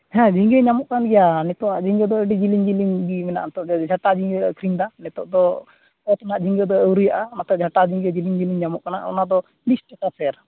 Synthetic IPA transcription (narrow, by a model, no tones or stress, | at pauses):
hɛ̃d͡ʒiŋɡɛɲamɔʔkanɡɛjanɛt̪ɔwaʔd͡ʒiŋɡɛd̪ɔəɖid͡ʒiliŋd͡ʒiliŋɡimɛna̰ʔnɛt̪ɔʔd͡ʒʱaʈad͡ʒiŋɡɛɔ̰kɾiŋd̪anɛt̪ɔʔd̪ɔ | ɔt̪ɔnaʔd͡ʒiŋɡɛd̪ɔəwɾujaʔamat̪ɔʔd͡ʒʱaʈad͡ʒiŋɡɛd͡ʒiliŋd͡ʒiliŋɲamɔʔkana̰ʔɔ̰nad̪ɔ | lisʈɛʈapʰɛɾ